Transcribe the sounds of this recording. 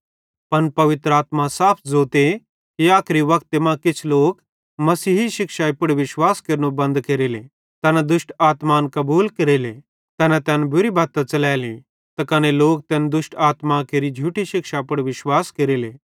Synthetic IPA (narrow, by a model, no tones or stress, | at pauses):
pɐnpɐʋɪt̪ɾəaːt̪mãsaːpʰd͡zoːt̪e | kiaːkʰɾiʋɐkt̪emãkɪt͡ʃʰloːk | mɐsiːɦiʃɪkʃaipʊɽʋɪʃwaːskɐɾnubɐ̃nd̪keɾeːlḛ | t̪ɛːnad̪ʊsʈaːt̪maːnkɐbuːlkɐɾele | t̪ɛːnat̪ɛːnbʊɾibaːt̪ːãt͡sɐlɛːlḭ̃ | t̪ɐkɐneloːk̚t̪ɛːnd̪ʊʃʈaːt̪makeɾid͡ʒʱuːʈiʃɪkʃapɐɽʋɪʃwaːskɐɾiːlḛː